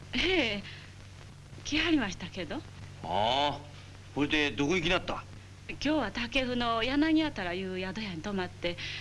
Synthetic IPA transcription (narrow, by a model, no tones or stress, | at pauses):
eː | kʲiaɾʲimaɕi̥t̪ake̞d̪o̞ | a | koɾed̪e̞d̪okoikʲinat̪ːa | kʲo̞ːβat̪ake̞ɸɯ̟no̞janaɲ̟iat̪aɾajɯ̟ːjad̪o̞jaɲ̟it̪o̞mat̪ːe̞